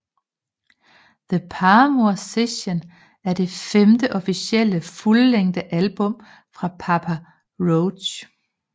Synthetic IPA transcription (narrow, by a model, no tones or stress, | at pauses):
ðəpʰɑːmoseɕon | æɐd̥e̝femd̥əʔɒ̽fisiel̰əfulːeŋ̰d̥əʔælb̥ɔ̽m̰ | fʁɑ̈pʰɑ̈pʰæ | ʁoʊ̥ɕ